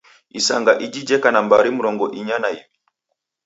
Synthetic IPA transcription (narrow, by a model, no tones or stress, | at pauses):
isaŋɡaʔid͡ʒid͡ʒɛkanambaɾimuɾɔŋɡɔʔiɲanaimi